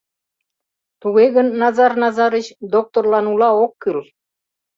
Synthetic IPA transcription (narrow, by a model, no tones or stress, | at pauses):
t̪uɣeɡə̆nːɑzɑrnɑzɑɾət͡ɕd̪ok̚t̪orlˠɑnulˠɑokːɯlˠ